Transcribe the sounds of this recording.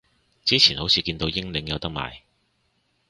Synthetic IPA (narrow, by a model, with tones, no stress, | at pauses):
t͡siː˥t͡sʰiː˨˩nho˨˥wt͡sʰiː˨˧kiː˧nt̪o˧wjɪ˥ŋlɪ˨˧˥ŋjɐ˨˧wt̪ɐ˥k̚ma̰ː˨j